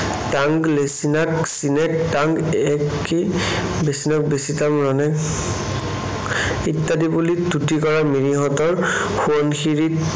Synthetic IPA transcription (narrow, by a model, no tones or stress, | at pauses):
taŋɡlesinaksinɛk̚taŋɡɛk | ibesinɔk̚besitamɹɔnɛk | itːadibulitutikɔɹamiɹiɦɔtɔɹ | xuɔnxiɹit